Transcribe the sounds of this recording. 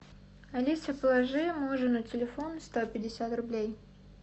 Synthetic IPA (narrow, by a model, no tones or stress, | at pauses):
ɐlʲisʲəpəlˠɐʐɨmuʐɨnutʲɪlʲɪfonst̪opʲɪdʲɪsʲat̪rʊblʲej